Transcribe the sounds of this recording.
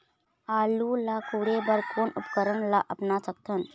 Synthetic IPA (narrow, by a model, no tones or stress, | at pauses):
aːlulakuːɽebəɾkʰoːnʊpkəɾəɳlaʔəpnat͡ʃək̚t̪ʰən